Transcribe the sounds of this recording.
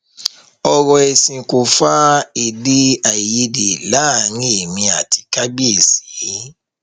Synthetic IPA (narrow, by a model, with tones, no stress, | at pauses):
ɔ˧ɾɔ˧ɛ˧sĩ˨ko˨fa˦e˨di˦a˨ji˧de˨la˨˦˨nĩ˦e˨mĩ˧a˨ti̥˧ka˦ɡ͡bi˦e˨si̥˨˦˨